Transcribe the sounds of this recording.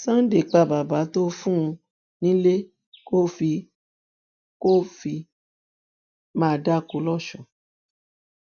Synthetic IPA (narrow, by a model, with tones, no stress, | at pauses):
sã˦n̩˦de˨k͡pa˧˨ba˨ba˨˦to˦fũ˦˧ | nĩ˦le˦ | ko˦fi˧ | ko˦fi˧ | mã˦˧da˦˨ko˨˧˦lɔ˦˨ʃɔ̃˨